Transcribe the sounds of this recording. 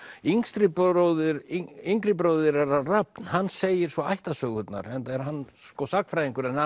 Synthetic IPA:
iŋst̪ɾɪpːðʏɾiŋkɾɪpɾoːwðɪɾɛɾarap̚nhanːseːjɪɾ̥svɔajht̪asœɣʏt̪na̰ɾɛnt̪ɛɾ̥ɦanːskɔsak̪fɾajiŋkʏɾɛna

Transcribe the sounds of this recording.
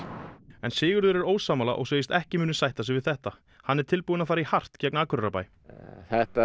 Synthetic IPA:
ɛnsɪːɣʏɾðʏɾɛɾoːwsaːmala̰ʔɔ̰ɣs̬eːjɪst̪ɛhcɪmʏːnʏsajht̪as̬ɪvɪðθɛht̪a | hanːɛɾ̥t̪ʰɪlpuːʏnafaːɾɪihar̥t̪cɛknaːkʰʏɾrapa̰j | θɛht̪a

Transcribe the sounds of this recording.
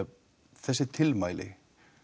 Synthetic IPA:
θɛsːɪt̪ʰɪlmajlɪ̰

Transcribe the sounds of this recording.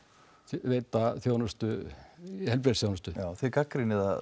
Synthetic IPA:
θveːjt̪aθjoːwnʏst̪ʏ | hɛlp̬ɾeːt̪sθjoːwnʏst̪ʏawθɪkakɾɪnɪða

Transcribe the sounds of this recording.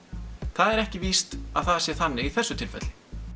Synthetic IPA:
θaðɛɾɛhcɪviːst̪a̰ðθaðsjɛ̥θanːɪiθɛsːʏt̪ʰɪlfɛ̰t̪l̥

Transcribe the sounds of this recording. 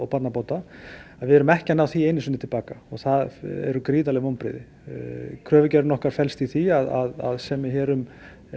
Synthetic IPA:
ɔwpat̪napowt̪aaðvɪɛɾʏmɛhcanawθieːjnɪsʏnɪt̪ʰɪlpaːkaɔɣθaðɛ̰ɾʏkɾiːðalɛɣmowmpɾɪ̰ðɪ | kʰɾœːvʏcɛɾnɔhkaɾ̥fɛlst̪iθiaðaða̰ðsɛmːɪçɛːɾʏm

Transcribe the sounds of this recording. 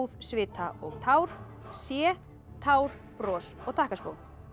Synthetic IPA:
ðsvɪːt̪ʰaɔɣt̪ʰawɾ̥ | sjɛː | t̪ʰaːwɾ̥ | pɾɔːsɔɣt̪ʰahkaskowl

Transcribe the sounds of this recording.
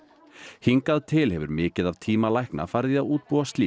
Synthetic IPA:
hiŋkaðt̪ʰɪlɦɛvʏ̰ɾmɪːcɪðavt̪ʰiːmalajhkna̰fajɾðɪaðuːt̪̚puast̪liː

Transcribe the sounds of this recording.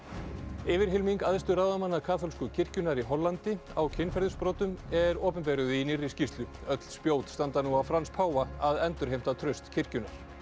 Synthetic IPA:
ɪvɪɾ̥ɦɪlmiŋkaðst̪ʏɾawðamanːakʰaːθɔlskʏcʰɪr̥cʏnaɾiɦɔlːant̪ɪawcʰɪnːfɛɾðʏspɾoːt̪ʏmɛɾɔːpɛnpɛːɾʏðɪinɪrːɪscist̪lʏœt̪l̥spjoːwt̪st̪ant̪anuawfɾanspʰaːwvaaðɛnt̪ʏɾɦejm̥t̪at̪ʰɾœɥst̪cʰɪr̥cʏnːaɾ̥

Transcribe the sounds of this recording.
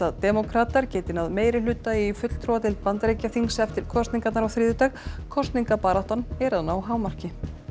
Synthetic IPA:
at̪ɛmɔkʰɾaːt̪aɾ̥cɛːt̪ɪnaðmeːjɾɪlʏːt̪aifʏt̪l̥t̪ʰɾɔwat̪ʰɪlpant̪ɾeːjcaθiŋsɛft̪ɪɾ̥kʰɔst̪niŋkat̪naɾawθɾiːðʏt̪aɣkʰɔst̪niŋkapaːɾaht̪anɛɾaðnaːwɦaːwmar̥cɪ

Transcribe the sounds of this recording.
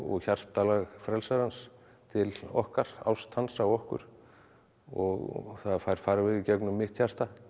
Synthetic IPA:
ɔ̰ɣçar̥t̪alaɣfɾɛlsaɾhans | t̪ʰɪlɔ̰hkaɾ̥a̰wst̪hansawɔhkʏ̰ɾ̥ | ɔɣθaðfajɾ̥faːɾavɪðicɛknʏmːɪht̪çar̥t̪a

